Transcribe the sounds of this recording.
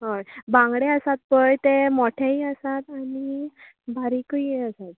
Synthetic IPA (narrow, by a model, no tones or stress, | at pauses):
ɦojbãŋɡɽeəsat̪̚pəjt̪emoʈʰaɦiːəsat̪ani | baɾikəiəsat̪̚